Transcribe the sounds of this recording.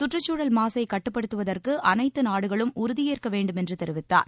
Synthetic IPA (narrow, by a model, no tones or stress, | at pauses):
sʊʈrɐt͡ʃːuːɽɐlmaːsɐɪkɐʈːɯpːɐɽɯt̪ːɯʋɐðɐrkɯʔɐnɐɪt̪ːɯnaːɽɯɣɐɭɯmʊɾʊðɪjeːrkɐʋeːɳɖɯmɛndrɯt̪ɛɾɪʋɪt̪ːa̰ːɾ